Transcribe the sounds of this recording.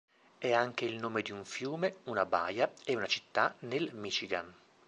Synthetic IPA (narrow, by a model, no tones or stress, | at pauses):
ɛaŋk̟eilnoːmed̪iuɱfjuːmeunaba̰ːjaɛunat͡ʃi̥t̪ːanelmit͡ʃiɡa̰n